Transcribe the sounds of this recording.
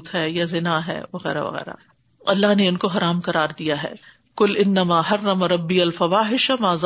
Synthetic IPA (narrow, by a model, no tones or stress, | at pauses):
t̪ɦɛːjazɪnaɦɛ̰ːʋɐɣɛ̰ːɾa̰ʋɐ̰ɣɛ̰ːɾa̰ | ɐlːaɦneʊnkoɦɐɾaːmqɐɾaːɾd̪ijaɦɛ̰ː | kʊlɪnːɐmaːɦɐrːɐmɾɐbːiɐlfɐʋaːɦɪʃamaːz